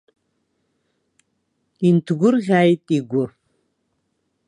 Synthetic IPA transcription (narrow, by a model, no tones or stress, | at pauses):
intʰɡʷʊrɣʲaːjtʼiɡʷʊr